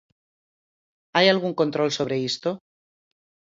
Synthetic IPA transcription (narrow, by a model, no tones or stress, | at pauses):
ajalɣ̞uŋko̞nt̪ɾo̞lso̞β̞ɾe̞ist̪o